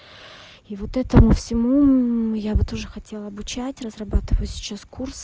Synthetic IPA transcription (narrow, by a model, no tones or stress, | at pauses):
ivo̞t̪ɛt̪əmʊfsʲɪmujabɨt̪o̞ʐɨxɐtʲe̞lˠəɐbʊt͡ɕætʲrəzrɐbat̪ɨvəjʊsʲɪ̥t͡ɕaskurs